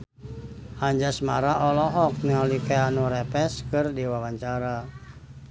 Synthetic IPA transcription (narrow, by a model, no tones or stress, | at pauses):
haɲd͡ʒasmaɾaʔɔlɔɦɔk̚nialikaanuɾɛpɛskɨrdiwawaɲt͡ʃaɾa